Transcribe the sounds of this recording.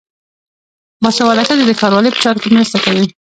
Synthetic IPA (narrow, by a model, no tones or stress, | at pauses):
mɑsawalakad̪ed̪əkɑɾwɑləpə̥t͡ʃɑɾokenɾəst̪akawi